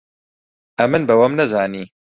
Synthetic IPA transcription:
ʔɐmɨnbɐwɐmnɐzaːniː

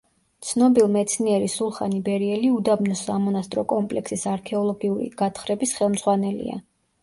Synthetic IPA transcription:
t̪sʰnɔbilˠmɛt̪sʰniɛɾisulˠχanibɛɾiɛliud̪abnɔsamɔnast̪ʼɾɔkʼɔmpʼlɛksisaɾkʰɛɔlˠɔɡiuɾḭɡ̥at̪ʰχɾɛbisχɛlˠmd̪z̥ʁwanɛlḭa̰

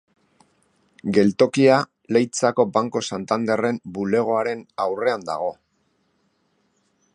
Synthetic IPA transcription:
ɡe̞lt̪o̞kia | lejt͡sako̞baŋko̞sant̪and̪e̞re̞mbule̞ɣ̞o̞aɾe̞nawre̞and̪a̰ɣ̞o̞

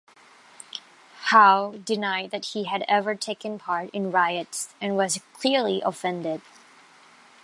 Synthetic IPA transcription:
haʊdɨnaɪd̪̚ðɨt̚hiɨɾɛvə˞tʰeɪkɨ̃npʰɑɹɾɨ̃nɹaɪɨtsɨ̃nwʌzkʰl̥ɪɹliʔəfɛ̃ndɪd̥

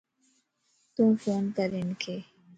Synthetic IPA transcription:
t̪umfoːnkəɾinkʰe

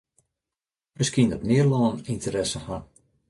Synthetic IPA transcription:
məskindɔtmɪərlɔːnintəɾɛsəha

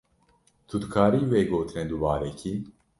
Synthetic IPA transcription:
t̪ʰud̪kʰaːɾiːweːɡoːt̪ʰɨned̪ubaːɾɛkʰi

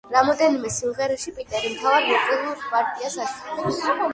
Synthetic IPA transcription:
ɾamɔd̪ɛnimɛsimʁɛɾɛʃipʼit̪ʼɛɾimt̪ʰavaɾmɔt̪ʼɛluɾpʼaɾt̪ʼiasaʃʼɛlɛ

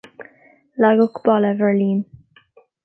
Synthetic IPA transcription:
laɡʊkb̥ɔləvɛɹliːn

